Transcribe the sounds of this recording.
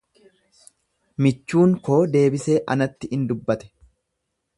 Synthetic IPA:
mɪt͡ʃːuːŋko̞ːd̪e̞ːbɪse̞ːʔɐnɐt̪ːɪɪnd̪ʊbːɐt̪ɛ̥

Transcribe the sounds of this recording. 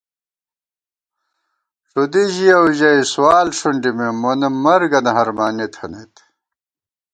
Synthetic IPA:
ʂud̪iʑiɐwʑɐiswaːlʂuɳɖimemonemɐɾɡɐnɐɦɐɾmaːnit̪ʰhɐnet̪

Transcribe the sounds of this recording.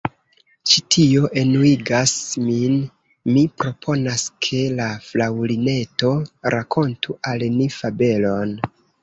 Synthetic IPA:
t͡ʃitʰio̞ʔe̞nuiɡasmin | mipɾo̞pʰo̞naskʰe̞laflawline̞to̞ɾakʰo̞ntuʔalnifabe̞lo̞n

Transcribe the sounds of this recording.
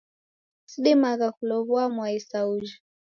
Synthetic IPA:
siɗɛmaɣakulɔβuamwaisaud͡ʒa

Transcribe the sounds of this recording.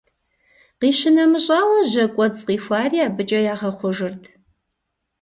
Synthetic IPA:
qiːɕɪnɐmɨɕʼaːwɐʑɐkʷʼɔd͡zqiːfʷaːrijaːbɨt͡ʃʼɐjaːʁɐχʷɔʒɨrtʰ

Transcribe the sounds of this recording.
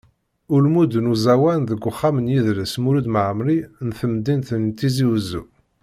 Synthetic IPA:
ʊlmud̪ənuzæwænðəɡʷːʊχːamənjiðləsmuɾud̪məʕmɾinθəmd̪int̪ənt̪iziwəzṵ

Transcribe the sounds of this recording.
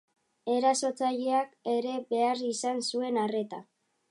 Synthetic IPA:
e̞ɾaso̞t͡saʎeake̞ɾe̞be̞arisansue̞nare̞t̪a

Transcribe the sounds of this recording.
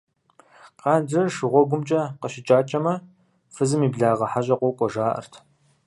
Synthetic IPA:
qɑːndɨrʂɨʁʷɔɡʷʊmt͡ʃʼɐqəɕɪt͡ʃʼaːt͡ʃʼɐmɐ | fɨzɨmiːbɮaːʁɐħaɕʼɐqʷɔkʷʼɔʒaːʔɐ̰rtʰ

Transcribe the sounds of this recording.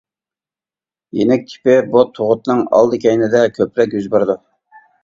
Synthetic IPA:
jḛnɛk̚ʲtʲʰɪ̥pɪbot̪ʰːoʁʊt̪nɨŋɑ̰lˠd̪ɨkʲʰɛjnɪd̪ɛkʲʰøpɾɛkʲjyzbeɾd̪u

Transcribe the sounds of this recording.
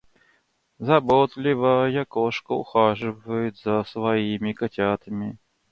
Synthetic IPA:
zɐbot̪lʲɪvəjakoʂkəʊ̰xaʐɨvəjʊt̪zəsvaimʲɪkatʲat̪əmʲɪ

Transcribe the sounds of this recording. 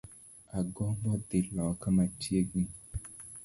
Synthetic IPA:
aɡɔbɔd̪elɔkamatieɡĩ

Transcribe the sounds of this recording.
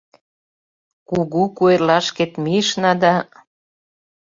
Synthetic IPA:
kuɣukuerlɑʃket̪miʃnɑd̪ɑ

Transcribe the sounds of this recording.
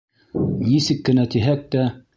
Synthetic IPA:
nisɘkːɘ̆næt̪iɦæk̚t̪æ

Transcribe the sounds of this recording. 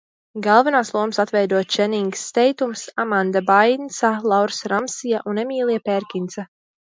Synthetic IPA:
ɡalˠvanaːslˠuɔmsat̪vɛjd̪uɔt̪t͡ʃɛniŋɡst̪ʲɛjt̪umsamand̪abajnsalˠawɾsɾamsijaʔunɛmiːlˠiapɛɾkʲint̪sa

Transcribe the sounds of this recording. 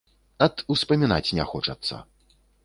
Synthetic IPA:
ɐt̪uspɐmʲinat͡sʲnʲaxɔt͡ʂɐ̰t̪sːɐ̰

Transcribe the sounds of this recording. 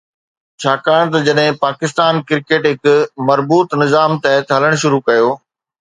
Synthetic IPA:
t͡ɕʰaːkaːɽ̃t̪ɐd͡ʑɐɗɦɪ̃paːkɪst̪aːnkɪɾkeːʈɦɪkʊmɐɾbuːt̪nɪzaːmt̪ɛɦət̪ɦɐləɽ̃ʃʊɾukɐjoː

